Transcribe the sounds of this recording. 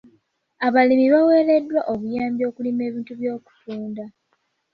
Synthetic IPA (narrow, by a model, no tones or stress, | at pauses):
aβalimiβawe̞ːle̞dːwaʔoβujaːmbjo̞ːkulime̞ːβiːntuβjo̞ːku̥tuːnda